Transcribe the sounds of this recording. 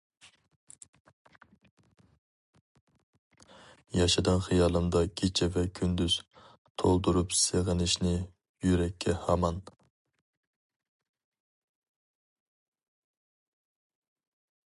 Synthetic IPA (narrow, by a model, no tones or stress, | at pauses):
jɑʃɪd̪ɑnχɨjɑːlˠɨmd̪ɑkʲʰet͡ʃʰɛvɛkʲʰynd̪yz̥ | t̪ʰolˠd̪uɾupseʁənɪʃnɪ | jyɾɛkʲʰːɛhɑmɑn